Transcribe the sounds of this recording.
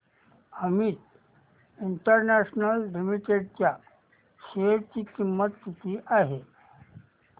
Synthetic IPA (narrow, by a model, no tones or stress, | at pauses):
əmiːt̪ | iɳʈəɾnæɕnəlːimiʈeɖt͡ɕja | ɕeɾt͡ɕiːkimːət̪ːit̪iʔaɦe